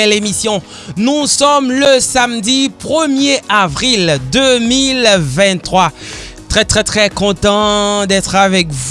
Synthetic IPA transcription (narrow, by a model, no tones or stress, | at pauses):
ɛlemisjɔ̃ | nusɔmləsamd̪ipχəmjeavʁild̪ømilvɛ̃t̪ːχwat̪χɛt̪χɛt̪χɛkɔ̃t̪ɑ̃d̪ɛt̪χavɛkv